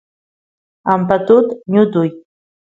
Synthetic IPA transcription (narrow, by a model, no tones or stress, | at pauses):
ampat̪ut̪ɲud̪uj